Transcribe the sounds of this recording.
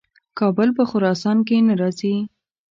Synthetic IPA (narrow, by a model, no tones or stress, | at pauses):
kɑbəlpəxʊɾɑsɑnk̬enaɾɑzi